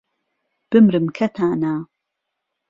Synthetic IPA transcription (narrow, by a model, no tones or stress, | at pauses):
b̥ɨmɾɨmkʰɐt̪ʰaːnaː